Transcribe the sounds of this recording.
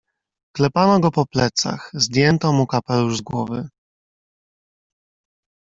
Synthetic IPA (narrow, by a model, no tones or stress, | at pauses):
klɛpanɔɡɔpɔplɛt̪sa̰xzd̪ʲjɛnt̪ɔmukapɛluʐzɡwɔvɘ̰